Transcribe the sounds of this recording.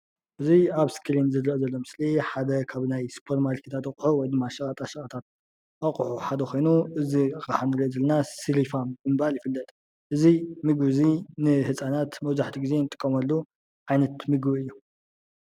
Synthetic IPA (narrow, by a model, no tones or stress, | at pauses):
ʔɨziaβskʰɨlinzɨlːiʔozɐlːomɨsliħad̪ɐkʰaβnajspʰoɾmalkʰit̪ʰat̪ɐχʼħuwɔjd̪ɨmːaʃɐχʼɐt̪ʼaʃɐʔʼɐt̪ʰat̪̚ | ʔaχʼħuħad̪ɐxʰo̞jnuʔɨziɨxʼaħanɨɾiʔzɐlɐnasilifambɨmɨβaljɪfɨlːɐt̪ʼ | ʔɨzimɨɡβɨzinɨhɨsʼanat̪mɐwzaħt̪ʰiɡize̞nɨt̪ʼɨ̥kʼːɐmɐlːu | ʕajnɐt̪mɨɡbɨɨjːu